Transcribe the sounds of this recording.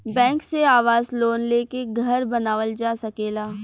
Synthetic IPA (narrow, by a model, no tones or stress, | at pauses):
bɛ̃ːŋkseaːʋaːzloːnleːkeɡʱɐɾbɐnaːʋəld͡ʒaːsɐkeːlaː